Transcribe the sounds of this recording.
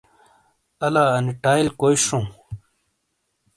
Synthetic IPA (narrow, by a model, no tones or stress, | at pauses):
ɐlaɐniʈaːjlkojʂũː